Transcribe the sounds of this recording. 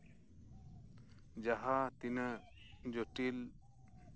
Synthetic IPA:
d͡ʒaɦat̪inə | d͡ʒoʈil

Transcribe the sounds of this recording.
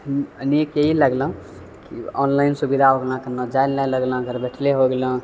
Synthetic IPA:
ənekjeɦiləɡlə̃ | kḭɔ̰nlainsubid̪ʱaɦoɡlãkənəd͡ʒajlnaləɡlə̃ɡʱəɾbeʈʰleɦoɡelə̃

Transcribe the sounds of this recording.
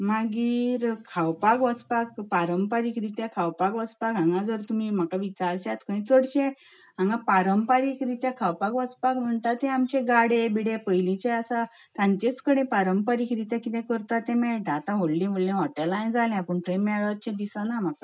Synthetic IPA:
maɡiːɾkʰawpakʋəspakpaɾəmpaɾikɾit̪jakʰawpakʋəspakãŋɡad͡zəɾt̪umim̤akaʋit͡ɕaɾɕat̪kəĩt͡səɽɕẽ | ãŋɡãpaɾəmpaɾikɾit̪jãkʰawpakʋəspakm̤əɳt̪at̪ẽamt͡ɕẽɡaɽẽbiɽẽpəjlit͡ɕẽasa | t̪ãɲt͡ɕet͡skəɽ̃ẽpaɾəmpəɾikɾit̪jakit̪ẽkəɾt̪at̪ːẽmɛɭʈ̪aːt̪ãɦoɽlĩɦoɽlẽʋɔʈalajd͡zalɛ̃apəɳʈɾemɛɭət͡ɕẽd̪isanam̤aka

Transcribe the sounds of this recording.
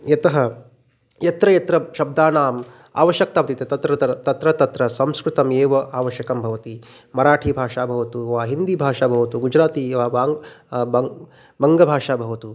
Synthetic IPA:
jɐt̪ɐɦɐ | jɐt̪ɾɐjɐt̪ɾɐʃɐb̚d̪aːnaːm | a̰ːʋɐʃjɐk̚t̪aːpɐt̪it̪ɐt̪ɐt̪ɾɐt̪ɐt̪ɾɐt̪ɐt̪ɾɐsɐ̃mskɾɪt̪ɐmeːʋɐʔaːʋɐʃjɐkɐmbʱɐʋɐt̪i | mɐɾaːʈʰiːbʱaːʂaːbʱɐʋɐt̪uʋaːɦind̪ibʱaːʂaːbʱɐʋɐt̪uɡud͡ʒɾaːt̪iʋaːaːbɐ | bɐŋɡɐbʱaːʂaːbʱɐʋɐt̪u

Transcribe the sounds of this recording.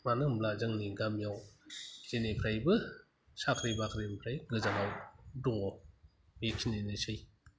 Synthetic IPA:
manɯmlazɯŋniɡamjawzenepʰɾajbɯ | sakʰɾibakʰɾempʰɾajɡɯzanawduŋɔ | mekʰinenesɯj

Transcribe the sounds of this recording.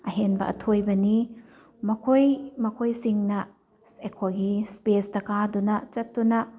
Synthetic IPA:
ɐɦenbɐ̰ʔɐ̰tʰojbɐni | mɐkʰojmɐkʰojsiŋnɐ | sekʰoɡispestɐkadunɐt͡ʃɐtːunɐ

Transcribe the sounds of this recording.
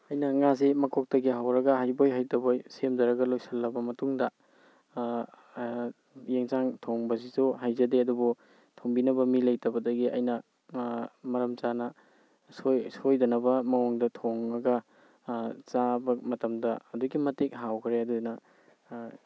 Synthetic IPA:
ɐjnɐŋaz̬imɐkʰok̚tɐɡiɦawɾɐɡɐɦajbojɦajtɐbojsemdɐɾɐɡɐlojsɐlːɐbɐmɐtuŋdɐ | jeŋzaŋtʰoŋbɐsisuɦajzɐdeɐdubu | tʰoŋbinɐbɐmilɐjtɐbɐdɐɡiʔɐ̰jnɐ | mɐɾɐmt͡ʃanɐ | sojsojdɐnɐbɐmɐoŋdɐtʰoŋːɐɡɐ | t͡ʃabɐmɐtɐmdɐːduɡimɐtek̚ɦawkʰɾeɐdudnɐ

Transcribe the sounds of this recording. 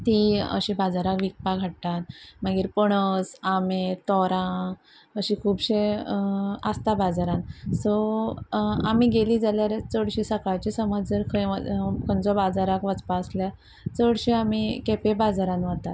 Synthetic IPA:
t̪iə̰ɕibad͡zaɾakʋik̚paɡʱaʈt̪at̪̚məɡiːɾpəɳ̃əsamet̪ɔɾã | əɕikʰuːbɕe | ast̪abad͡zaɾãnsɔ | a̰miɡeliːd͡zaljaɾet͡səɽɕisəkaɭt͡ɕisəməd͡zd͡zəɾkʰə̰kʰənt͡sɔbad͡zaɾakʋət͡spaəslja | t͡səɽɕiamikepebad͡zaɾãnʋat̪at̪

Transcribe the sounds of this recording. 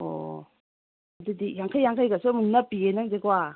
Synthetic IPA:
o̰ | ɐdɯdijaŋkʰajːaŋkʰajɡasomɯŋnapienaŋdeɡwa

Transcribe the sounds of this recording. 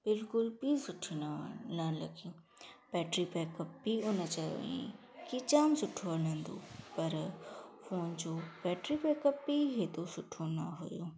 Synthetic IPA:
b̥ɪlkʊlpiːsʊʈʰinnɐlɐɡijũː | bɛːʈɾipɛːkɐp̚biʊnət͡ɕɐ̰ʋḭ̃ | kit͡ɕaːmsʊʈʰoaɾlɐ̃nd̪o̰ːpɐɾfoːnd͡ʑoːpɛːʈɾipɛːkəpbiɦet̪osʊʈʰonɐɦʊjoː

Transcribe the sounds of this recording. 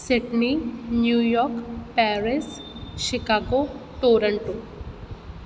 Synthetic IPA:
siʈninjujɔɾkpɛɾis | ʃikaɡoʈoɾəɳʈo

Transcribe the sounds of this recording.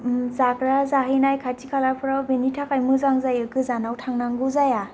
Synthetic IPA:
zakɾazaɦijnajkʰatʰikʰalapʰɯɾawbenitʰakajmɯzaŋzajɯkɯzanawtʰaŋnaŋɡuzaja

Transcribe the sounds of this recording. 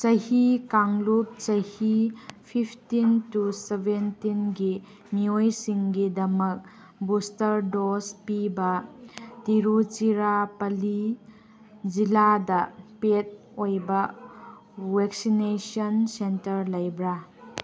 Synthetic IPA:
t͡ʃɐhikaŋlup̚t͡ʃɐjhipʰipʰtintusebentinɡi | miojsiŋɡidɐmɐk̚ | bustɐɾdospibɐtiɾut͡ʃiɾapɐli | d͡ʒiladɐpet̚ | ojbɐ | weksinesɔnsentɐɾlɐjbɾa

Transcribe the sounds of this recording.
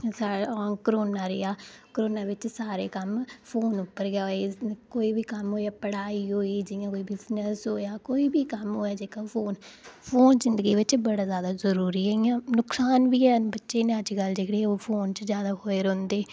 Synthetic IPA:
sakɾoːnaːɾḛaːkəɾoːnaːʋɪt͡ʃsaːɾeːkəmpʰoːnʊpːəɾɡaːekoːiːbiːkəmɦoːaːpəɽaːiːɦoːiːd͡ʒɪjãːkoːibɪznəsɦoːjaːkoːiːbiːkəmɦoːjaːd͡ʒeːkaːpʰoːnpʰoːnzɪnd̪əɡiːʋɪt͡ʃbəɽaːzjaːd̪aːzəɾuːɾiːɦiãːnʊksaːnʋiːɛːbətːʃeːnẽəd͡ʒɡəld͡ʒeːkʰɽeːoːpʰoːnt͡ʃzjaːd̪aːɦoːeːɾɔ̃ːnd̪eː

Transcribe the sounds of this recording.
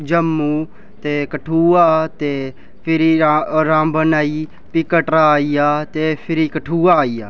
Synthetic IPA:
d͡ʒəmːuː | t̪eːkəʈʰuːaːt̪eː | pʰɪɾiːɾãːbənaːiː | pɪkəʈɾaːiːaːt̪eːpʰɪɾiːkəʈʰuːaːiːa̰ː

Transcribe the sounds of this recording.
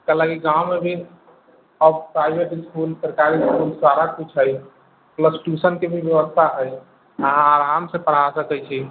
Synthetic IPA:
kəlakiɡãwmebʱi | əbpɾajbʱeʈiskulsəɾkaɾiskulsaɾakkit͡ʃʰəj | pləsʈusənkebʱibjəʋəst̪ʰaʔəj | aːɾamsepəɽ̤ɦasəkɛt͡ʃʰi

